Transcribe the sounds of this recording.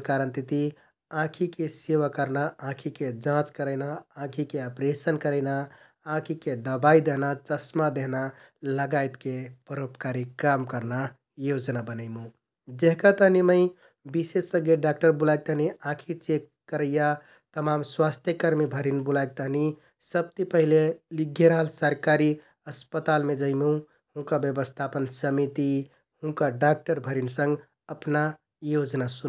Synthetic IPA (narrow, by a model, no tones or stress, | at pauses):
kaɾənt̪it̪i | ãkʰikeseʋakəɾnaãkʰiked͡ʒãt͡ʃkəɾəɪnaãkʰikeəpɾesənkəɾəɪna | ãkʰiked̪əbaid̪eɦnat͡ʃəsmad̪eɦnaləɡajt̪kepəɾopkaɾikamkəɾna | jod͡ʒnabənəɪmũ | d͡ʒeɦkat̪əɦniməɪ | bisesːəɡeɖak̚ʈəɾbulaɡ̚t̪əɦniãkʰit͡ʃekːəɾəja | t̪əmamswast̪ʰjəkəɾmibʱəɾinbulaɡ̚t̪əɦni | səb̚t̪ipəɦileliɡʱːeɾəɦəlsəɾkaɾi | əspət̪almed͡ʒəɪmũ | hũkabjəbəst̪ʰapənsəmit̪i | hũkaɖak̚ʈəɾbʱəɾinsə̃ŋɡ | əpna | jod͡ʒnasu